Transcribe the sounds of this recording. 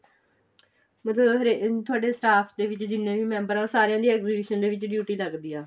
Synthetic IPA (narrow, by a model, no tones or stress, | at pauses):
mət̪ləbɦɾet̪ʰʊaːɖeːsʈaːpʰd̪eːʋɪt͡ʃd̪ɪnːẽːʋiːmɛ̃ːmbəɾãːsaːɾejãːd̪iːɛːkziːbɪːʃənd̪eːʋɪt͡ʃɖjuːʈiːləɡd̪iːãː